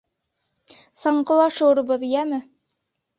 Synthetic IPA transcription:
sɑɴqɤ̆lˠɑʃɤ̆wɾɤ̆bɤðijæmɘ

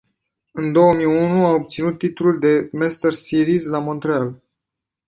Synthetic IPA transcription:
ɨnd̪o̞wəmijunuaob̚t̪sinut̪ːit̪ululd̪e̞mɛst̪ersiɾizlamo̞nt̪ɾeal

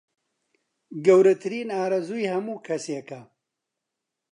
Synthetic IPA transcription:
ɡɐwɾɐt̪ʰɨɾiːnaːɾɐzujhɐmuːkʰɐsekɐ

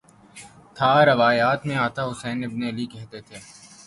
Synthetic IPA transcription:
t̪ʰaɾɐʋaːjaːt̪mẽaːt̪aɦʊsɛːnɪbneɐlikɛɦt̪et̪ʰeː

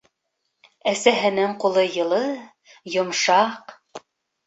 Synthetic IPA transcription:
æsæɦɘ̆nɘŋqulˠɤjɤ̆lˠɤ | jŏmʃɑq

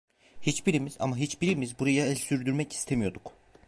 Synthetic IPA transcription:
hit͡ʃbiɾimiza̰maɦit͡ʃbiɾimizbuɾajaɛlʲsyɾd̪yɾmɛci̥st̪ʰemijo̞d̪uk

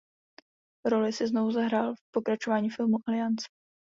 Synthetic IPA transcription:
ɾo̞lɪsɪzno̞vuzaɦɾaːlfpo̞kɾat͡ʃo̞vaːɲiːfɪlmuʔalɪant͡sɛ̥

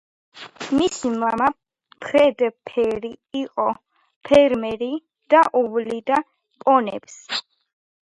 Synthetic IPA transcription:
misimama | pʰɾɛd̪pʰɛɾiːqʼɔ | pʰɛɾmɛɾi | d̪̥aʔuvlid̪a | pʼɔnɛ̰ps

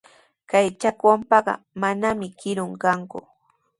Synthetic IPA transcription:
kajt͡ʃakwampɑɢɑ̰ | manamɪkɪɾʊŋkaŋkʊ̰

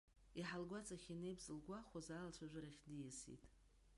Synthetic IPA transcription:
iħalɡʷat͡sʼaχʲinejbzɨlɡʷaχʷozalt͡ʃʷʰaʒᶣʷaɾaχʲdijɪsḭtʼ

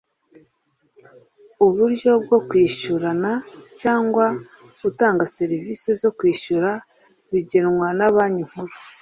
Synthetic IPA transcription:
uβuɾɟo̞b̚ɡo̞kwiːʃuɾanacaːŋɡwa | utaːŋɡase̞ɾivise̞zo̞kwiːʃuɾa | βiɟenŋwanaβaːɲiŋ̥huɾu

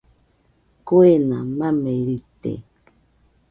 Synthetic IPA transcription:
koenamameiɾit̪ḛ

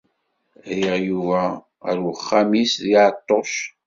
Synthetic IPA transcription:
æjəʁjuvæ | ə̰ɾəχːamisðiʕt̪ˤːos

